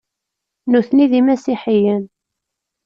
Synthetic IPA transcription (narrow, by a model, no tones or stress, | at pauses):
nuθniðimæsiħijən